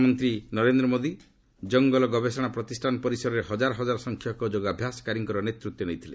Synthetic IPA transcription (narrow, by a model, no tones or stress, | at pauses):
mɔnt̪ɾinɔɾend̪ɾɔmod̪i | d͡ʒɔŋɡɔlɔɡɔbesɔɽ̃apɾɔt̪isʈʰanɔpɔɾisɔɾɔɾeɦɔd͡ʒaɾɔɦɔd͡ʒaɾɔsɔŋkʰjɔkɔd͡ʒoɡabʱjasɔ̥kaɾiŋkɔɾɔnet̪ɾut̪ːɔnejt̪ʰile